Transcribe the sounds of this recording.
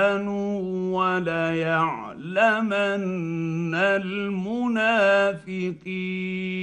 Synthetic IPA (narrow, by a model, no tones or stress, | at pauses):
nʊwalajaʕ | lamanː | almʊnaːfɪqi